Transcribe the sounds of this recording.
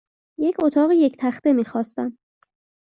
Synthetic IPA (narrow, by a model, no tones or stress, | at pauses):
je̞cʰot̪ʰɒːɣije̞cʰt̪ʰæxt̪e̞miːxɒːst̪æm